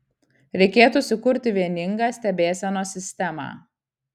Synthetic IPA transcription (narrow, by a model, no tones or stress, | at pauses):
ɾʲɛɪkʲeːt̪ʊːsʲɪkʊɾʲt̪ʲɪʋʲiɛnʲɪŋɡɑːsʲt̪ʲɛbʲeːsʲɛnoːsʲɪsʲt̪ʲɛmɑ̰ː